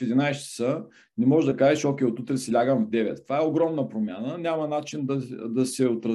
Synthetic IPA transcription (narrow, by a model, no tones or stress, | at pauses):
ed̪ʲinajst͡ʃsə | nɛmɔʒd̪ɐkaʒɛʃɔkʲɛot̪ut̪ɾɛsɛlʲaɡənvd̪ɛvɛ̰t̪ːvaɛoɡɾɔmnəpɾomʲa̰nənʲamɐnat͡ʃind̪ɐd̪ɐsɛot̪ɾɐ